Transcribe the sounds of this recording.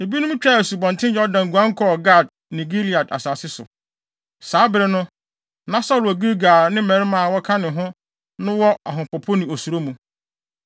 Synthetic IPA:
e˨bi˦nʊ̃˦m˦t͡ɕᶣa˦˨æ˨su˨bɔ̃˨ntʰɪ̃˦njɛ˦ɔ˦dã˨ŋ̩˨ɡu˨ã˦ŋ̩˦kʰɔ˦ɡa˦˨d̚ | nĩ˨ɡi˦li˨a˨da̰˨saː˨sɪ˦sʊ̰˨ | saː˨˦bɪ˦ɾɪ˦nʊ̃˦ | nã˦sa˦lʊ˨æ˨ɡi˦ɾɡaː˨nɪ̃˦mɛ̃˨ɾɪ˦mã˨wɔ˦kʰa˦nɪ̃˨ɦʊ̃˦ | nʊ̃˦wɔ˦a˨ɦʊ̃˨pɔ˨pʰo˦nɪ̃˨o˨su˨ɾo˦mũ˨

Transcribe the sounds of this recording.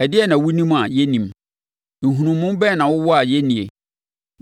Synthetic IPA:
ɛ˨dɪ˦ɛ˦˨nã˨wu˦nĩ˦ma˨jɛ˦nĩ˨m | ŋ̩˨ɦũ˨nũ˨mː˦ũ˦m˦bɛ˦˨nã˨wʊ˦wɔ˦a˨jɛ˦nĩ˨ḛ˨

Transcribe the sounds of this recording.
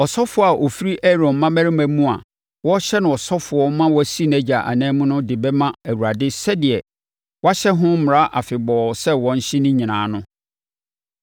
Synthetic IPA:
ɔ˨sɔ˦fʊ˨ɔ˨˦a˨ʔo˨fi˦ɾi˦ʔɛ˦ɾɔ̃˨nmːã˦mæ˦ɾɪ˦mæ̃˨mũ˦a̰˨ | wɔ˦ɕɛ˦nʊ̃˨ɔ˨sɔ˦fʊ˨ɔ˦mã˦wɔ˦æ˨si˦˨næ˦d͡ʑa˨ʔa̰˨nɛ̃ː˦mũ˦nʊ̃˦dɪ˨bɛ˦mã˦æ˨wu˨ɾa˨dɪ˦sɛ˦dɪ˨ɛ˨ | wa˦ɕɛ˦ɦʊ̃˦m̩˦m˨ɾa˦ʔa˨fɪ˨bɔː˨sɛ˦wɔ̃˨n̩˦ɕɪ̃˦nɪ̃˦ɲĩ˨nãː˨˦nʊ̃˦

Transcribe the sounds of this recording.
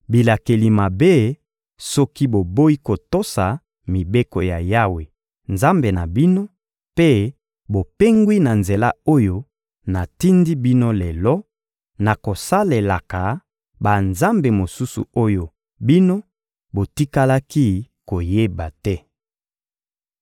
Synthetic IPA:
bi˨la˨ke˨li˨ma˨be˦ | sɔ˦ki˦bo˨bo˦i˦ko˨to˦sa˨ | mi˨be˦ko˨ja˨ja˦we˨ | nza˦mbe˨na˨bi˦no˦ | pe˦ | bo˨pe˦ŋɡwi˦na˨nze˨la˦o˦jo˦ | na˨ti˦ndi˦bi˦no˦lɛ˨lɔ˦ | na˨ko˨sa˦le˨la˨ka˨ | ba˨nza˦mbe˨mo˨su˦sṵ˨o˦jo˨ | bi˦no˦ | bo˨ti˦ka˦la˦ki˦ | ko˨je˦ba˨tɛ˦

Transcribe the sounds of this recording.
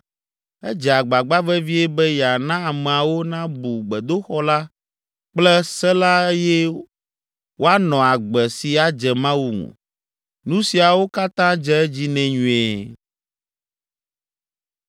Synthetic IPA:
ɛ˦d͡ʒɛ˨a˨ɡ͡ba˨ɡ͡ba˦vɛ˦vi˦ɛ˦bɛ˦ja˨nã˦a˨mɛ˨a˨wo˦nã˦bu˨ɡ͡bɛ˨d̪o˦xɔ˦la˦ | k͡plɛ˦sɛ˦la˦e˦jɛ˦ | wʔo˦a˦nɔ̃˨a˨ɡ͡bɛ˨si˨a˨d͡ʒɛ˨mã˦wu˨ŋṵ̃˨ | nũ˦si˨a˨wo˦ka˦t̪ã˦d͡ʒɛ˦ɛ˦d͡ʑi˦nɛ̃˨ɲũ˨ɛ˨

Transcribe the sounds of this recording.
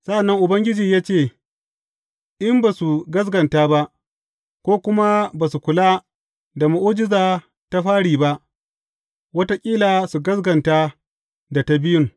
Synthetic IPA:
sa˦ʔa˨nːɐ˦ŋʔʊ˨bɐ˦ŋɡʲɪ˦d͡ʒiː˨jaː˦t͡ʃeː˦˨ | ʔɪ˦mba˨su˨ɡɐ˦s̬ɡɐ˨ntaː˦ba˦ʔ | kʷoː˦kʷʊ˦ma˦baː˨su˨kʷʊ˨laː˦ | da˨ma˨ʔoː˦d͡ʒɪ˦zaː˨ | ta˦ɸaː˦ɽiː˨ba˦ʔ | wɐ˦ta˦kʲʼiː˦laː˨su˨ɡɐ˦sɡɐ˨nta˦ | da˨ta˦bɪ˦jʊ˦ŋ

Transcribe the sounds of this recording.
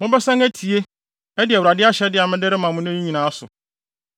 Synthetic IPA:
mʊ̃˦bɛ˦sã˦ŋæ˦tʰi˨e˦ | ɛ˦dɪ˨ɛ˨wɾa˨dɪ˦a˦ɕɛ˨˦dɪ˦a˨mɪ̃˦dɪ˦ɾɪ˦mã˨mʊ̃˦n˦ɛ̃˦ɲĩ˦ɲĩ˨nãː˨˦a˦sʊ̰˨

